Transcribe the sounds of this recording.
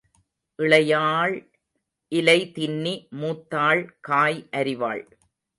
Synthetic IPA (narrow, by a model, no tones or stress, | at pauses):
ʔɪɭɐjaːɭ | ʔɪlɐɪt̪ɪnːimuːt̪ːaːɭkaːjʔɐɾɪʋa̰ːɭ